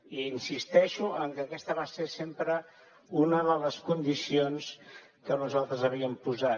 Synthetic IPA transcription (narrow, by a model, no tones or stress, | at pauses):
iːnsist̪ɛʃuʔəŋkəːkɛst̪əβaseɾsempɾə | unəðələskund̪isions | kənuzalˠt̪ɾəzəβiəmpuza